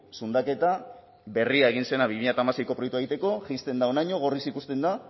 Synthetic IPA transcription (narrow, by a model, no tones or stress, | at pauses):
sund̪ake̞t̪a | be̞riae̞ɣ̞inse̞naβimiʎat̪aːmasejko̞pɾoekt̪uaeit̪e̞ko̞ʝist̪e̞nd̪ao̞najɲo̞ɣ̞o̞risikust̪e̞nd̪a